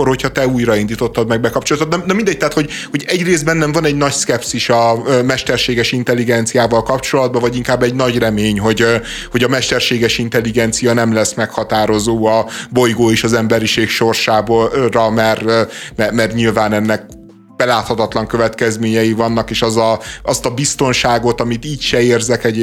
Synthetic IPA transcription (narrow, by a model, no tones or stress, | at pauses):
oho̞chɒt̪ɛuːjɾɒind̪iːt̪o̞t̪ːɒd̪mɛɡ̚bɛkɒp̚t͡ʃolɒt̪ot̪nɒnɒmind̪ɛc̚t̪ɛɦaːt̪ho̞ɟho̞ɟɛɟreːzd̪bɛnːɛɱvɒnɛɟnɒɟskɛpsiʃɒmɛʃt̪ɛrʃeːɡɛʃint̪ɛlːiɡɛnt̪sijaːvɒlkɒp̚t͡ʃo̞lɒd̪̚bɒvɒɟiŋkaːbːɛɟnɒɟrɛmeːɲɦo̞ɟ | ho̞ɟɒmɛʃt̪ɛrʃeːɡɛʃint̪ɛlːiɡɛnt̪sijɒnɛmlɛsmɛkhɒt̪aːɾo̞zoːɒbo̞jɡoːeʃɒzɛmbɛɾiʃeːkʃo̞rʃaːborɒmɛrmɛmɛrɲilvaːnɛnːɛk̚ | b̥ɛlaːt̪hɒt̪ɒt̪lɒŋkøvɛt̪kɛzmeːɲɛjivɒnːɒkeːʃɒzɒʔɒst̪ɒbist̪o̞nʃaːɡo̞t̪ɒmit̪iːcʃɛeːrzɛkɛɟ